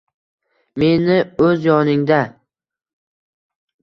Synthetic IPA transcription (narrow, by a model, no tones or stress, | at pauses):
me̞nɪɵzjɒnɪŋd̪a